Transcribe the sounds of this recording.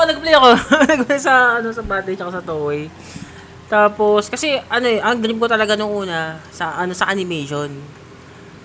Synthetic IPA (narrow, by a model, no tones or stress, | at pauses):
onɐɡ̚plɛjɐko̞nɐɡ̚plejsɐɐno̞sɐbaːt̪ɐjɲɐkosɐt̪oːʔoj | t̪aːpo̞skɐsɛʔɐno̞ʔɛʔɐŋd̪ɾɪmkot̪ɐlɐɡanʊŋʔuːnɐsɐʔɐno̞sɐʔɐnɪmɛjʃon